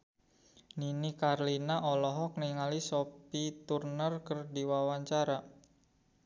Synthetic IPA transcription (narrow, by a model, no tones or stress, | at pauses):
ninikarlinaʔɔlɔɦɔk̚niŋalisopit̪urnərkərdiwawaɲt͡ʃaɾa